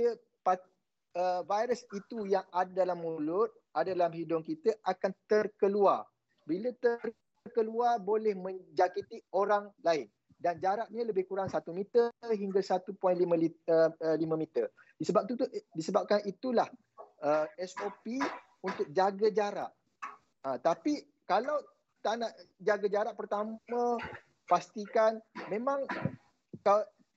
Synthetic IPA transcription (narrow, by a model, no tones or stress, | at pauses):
ə | pa | əvajɾəsit̪ujaŋadadalamːulʊt̪̚adadalamhidʊŋkit̪əʔakant̪ərkəluar | bilət̪ər | rkəluarbolɛhmə̃ɲd͡ʒakit̪ioɾaŋlaɪn | dand͡ʒaɾaʔ̚ɲələbɪhkuɾaŋsat̪umit̪əɦiŋɡasat̪upɔjnlimãliəəlimãmit̪ər | disəbap̚t̪ut̪udisəbap̚kanit̪ulah | əɛsopi | unt̪ʊk̚d͡ʒaɡad͡ʒaɾa̰ʔ | at̪api | kalaw | t̪anaʔd͡ʒaɡad͡ʒaɾaʔpərt̪amã | past̪ikanmẽmãŋ | ka